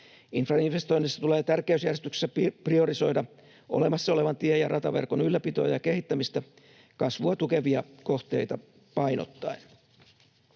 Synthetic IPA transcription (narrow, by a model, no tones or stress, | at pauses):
infrɑinfest̪o̞inːisːɑt̪ule̞ːt̪ærkæysjærest̪ykse̥sːæprio̞ɾiso̞jdɑ | ʔo̞̰le̞mɑsːɑo̞le̞ʋɑnt̪iejɑrɑt̪ɑʋe̞̰rko̞nylːæpit̪o̞̰ːjɑke̞hit̪ːæmist̪æ | kɑsʋuɑt̪uke̞ʋiɑko̞ht̪e̞̰jt̪ɑ | pɑino̰t̪ːɑin